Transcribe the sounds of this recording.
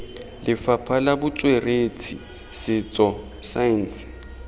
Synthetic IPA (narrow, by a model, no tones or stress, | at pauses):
lɪfapʰalabʊt͡sʼwerʔet͡sʰḭ | sɪt͡sʼɔ | san̩s